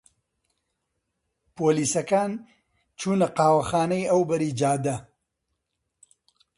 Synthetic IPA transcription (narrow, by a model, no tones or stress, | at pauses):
poːliːsɐkaːn | t͡ʃʰuːnɐqaːwɐxaːnɐjɐwbɐɾiːd͡ʒaːd̪ɐ